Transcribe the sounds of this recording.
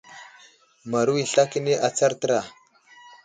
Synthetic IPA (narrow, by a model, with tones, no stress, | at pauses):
ma˨ɾu˦wi˨ɬa˦ki˦ni˦ʔa˨t͡sa˦ɾtə˦ɾa˨